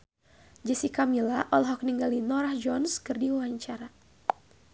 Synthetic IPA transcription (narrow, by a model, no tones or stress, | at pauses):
d͡ʒəsikamilaʔɔlɦɔk̚niŋɡalinɔɾahd͡ʒɔnskɨrdiwaaɲt͡ʃaɾa